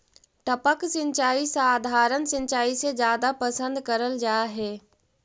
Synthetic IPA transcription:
ʈəpəksɪ̃ɲt͡ʃaːisaːd̪ʱaːɾənsɪ̃ɲt͡ʃaːised͡ʒjaːd̪apəsə̃nd̪kɐɾəld͡ʒaːɦeː

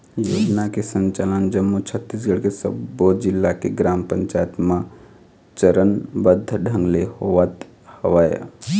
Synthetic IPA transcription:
joːd͡ʒnakesə̃ɲt͡ʃalənd͡ʒəmːut͡ʃʰət̪ːis̬ɡəɽkesə̰bːod͡ʒɪlːakeɡɾaːmpəɲt͡ʃaːjət̪mã | t͡ʃəɾənbəd̪ʱːɖʱə̃ŋɡlehoʋət̪ | həʋaja̰

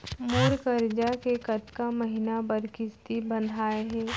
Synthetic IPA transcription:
moːɾkəɾd͡ʒakekɐt̪kaməɦɪnabɐɾkɪst̪ibə̃nd̪ʱaːeɦɛ̃ː

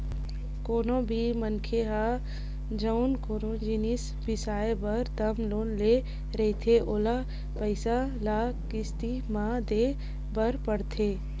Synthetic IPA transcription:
koːnõbʱimənkʰeɦa | d͡ʒəʊnkoːnõd͡ʒɪnis | bɪsaːebɐɾt̪ɐmloːnle | ɾɛɦit̪ʰeʔoːla | pəɪsalaːkɪst̪i | mãd̪eː | bəɾpəɽt̪ʰeː

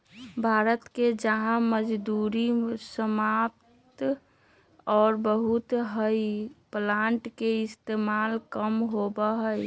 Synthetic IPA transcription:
bʱaːɾət̪ked͡ʒəɦãməd͡ʒd̪uɾisəmap̚t̪ | ɔːɾbəɦut̪ɦəiplãːɳʈkeɪst̪emalkəmɦobəɦəj

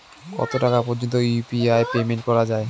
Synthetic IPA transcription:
kɔ̰t̪oʈakapɔɾd͡ʑont̪ojupiaepemeɳʈ̚kɔɾad͡ʑae

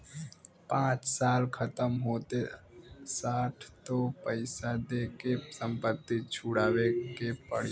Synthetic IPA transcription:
pãːt͡ʃsaːlkʰɐt̪əmɦoːt̪e | saːʈʰt̪opəɪsad̪ekesə̃mpət̪ːit͡ʃʰʊɽaːwekepə̰ɽ̤j

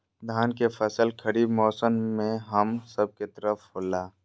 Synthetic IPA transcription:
d̪ʱaːnkefʰəsəlkʰəɾiːbmɔːsənmẽɦəmsəb̚ket̪əɾəfoːlaː

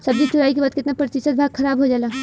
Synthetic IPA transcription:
sɐbd͡ʒit͡ʃʊɾaːik̬ebaːd̪̚kɪt̪napɾɐt̪ɪʃət̪̚bʱaːɡkʰɐɾaːbɦod͡ʒaːlaː

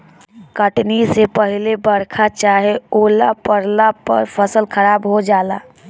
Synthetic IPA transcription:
kəʈnisepɐɦɪlebɐɾkʰat͡ʃaːɦeoːlapəɾlapɐ̰ɾpʰəsəlkʰɐɾaːbɦod͡ʒaːlaː

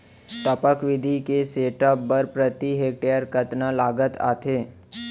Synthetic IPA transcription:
ʈ̪əpəkʋɪd̪ʱikeseːʈɔp̚ːəɾpɾət̪iɦeːk̚ʈejəɾkət̪nalaːɡət̪a̰ːt̪ʰeː

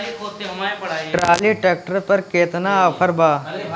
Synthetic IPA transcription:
ʈɾaːliʈeːk̚ʈəɾpɐɾkeːt̪naɐpʰəɾbaː

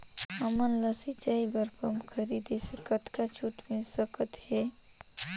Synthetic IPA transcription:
ɐmənləsit͡ʃaːibəɾkəmkʰəɾid̪esəkət̪kat͡ʃʰut̪mesəkət̪he

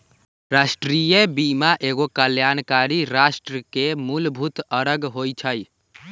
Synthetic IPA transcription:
ɾasʈɾijebimaʔeɡokəljaːnkaːɾiɾasʈɾəkemulbʱut̪əɾəɡɦojt͡ʃʰəj

